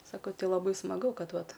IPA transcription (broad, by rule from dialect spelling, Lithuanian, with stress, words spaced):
sɐˈkɐʊ ˈtʲɪ lˠɐˈbɐɪ smɐˈɡʊ ˈkɐt ˈʋɐt